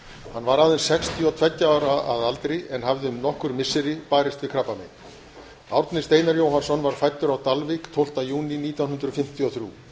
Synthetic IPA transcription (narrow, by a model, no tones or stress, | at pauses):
hanvaɾaːðɪnsɛxst̪ʰiɔt̪ʰv̥ɛcːaaːwɾaaðalt̪ɾɪɛnɦavðɪʏmnɔhkʏɾmɪsːɪɾɪpaːɾɪst̪vɪðkʰɾapːamɪ̰n | awɾt̪nɪst̪eːjnaɾjoːwɦansɔnvaɾ̥fajt̪ːʏɾawt̪alvikt̪ʰowl̥t̪ajuːniniːt̪jawnɦʏnd̪ɾʏfɪm̥t̪ʰiɔθɾjṵː